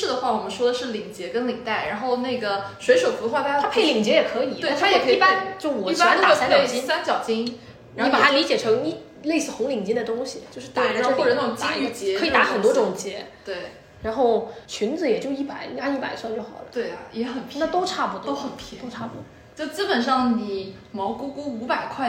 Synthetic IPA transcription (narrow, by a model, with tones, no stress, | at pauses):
ɻ̩˥˩d̪ə˩xwa˥˩wɔ˨˩mə˦nʂwɔ˥d̪ə˨ʂɻ̩˥˩li˨˩ŋt͡ɕjɛ˧˥kə˥nli˨˩t̪a˥˩ɪɻa˧˥nxo˥˧ʊne˥˩ɪɡə˩swe˧˥ɪʂwə˨˩fu˧˥xwa˥˩t̪a˥a˥pʰe˥˩ɪli˨˩ŋt͡ɕjɛ˧˥jɛ˨˩kʰɤ˧˥i˨˩˥a˥jo˥˧˩pa˥nt͡ɕjo˥˩ʊwɔ˨˧˩t̪a˨˥˧sa˥ɑ˨˩t͡ɕi˥sa˥nt͡ɕjɑ˨˩ʊt͡ɕi˥ŋ | n˧i˥˧˥pa˨˧˩a˥li˧˥t͡ɕjɛ˨˩ʈ͡ʂʰɤ˧˥ŋi˥˧ | le˥˧ɪsɹ̩˥˩xʊ˧˥ŋli˨˩ŋt͡ɕi˥d̪ə˨t̪ʊ˥ŋɕi˨t͡ɕjo˥˧ʊʂɻ̩˥˩t̪a˧˩˧xwɔ˥˧˩ʈ͡ʂɤ˨˩˥t͡ɕ̪ai˧˥˧yɡə˥˧˩t͡ɕjɛɛ˧˥ɤ˧˥i˨˩t̪a˧˥xə˨˩nt̪wɔ˥ʈ͡ʂʊ˨˩ŋt͡ɕjɛ˧˥ | t̪we˥˩ɪ | ɻa˧˥nxo˥˩ʊt͡ɕʰy˧˥nd͡zɹ̩˧jɛ˨˩t͡ɕjo˥˧ʊi˥˩pa˨˩˦ɪ˧˩a˥i˥˩pa̰˨˩ɪswa˥˧nt͡ɕjo˥˩ʊxɑ̰˨˩ʊlə̰˦t̪we˥˩ɪjɛ˧˥xə˨˩npʰna˥˩t̪o˥ʊʈ͡ʂʰa˥˩pu˧˩t̪o˥xə˨˩np̪ʰo˥ʊʈ͡ʂʰa˥˩pu˧˩˥t͡ɕjo˥˩ʊt͡sɹ̩˥pə˨˩nʂɑ˥˩ŋni˨˩mɑ˧˥ʊku˥ku˥u˧˥pa˨˩ɪkʰwa˥˧ɪ